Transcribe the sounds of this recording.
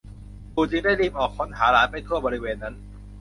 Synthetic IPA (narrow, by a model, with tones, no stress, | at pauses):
puː˨˩t͡ɕɯ˧ŋdaː˥˩jliː˧mʔɔː˨˩kʰːo˦˥nɦaː˩˦ɾaː˩˦npa˨˩jt̪ʰu˥˩ɐbɔː˧ɾi˦˥weː˧nːa˦˥n